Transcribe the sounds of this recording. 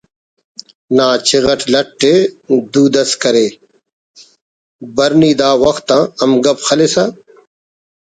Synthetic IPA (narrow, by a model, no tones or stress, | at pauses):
naːt͡ɕiɣɐʈlɐʈːed̪uːd̪ɐskɐɾeː | bɐɾniːd̪aːwɐxt̪ːãːɐmɡɐbxɐlesa